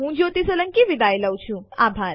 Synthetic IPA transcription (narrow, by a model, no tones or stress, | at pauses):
ɦũd͡ʒot̪isələŋkiʋid̪ajləwt͡ʃʰũabʱaɾ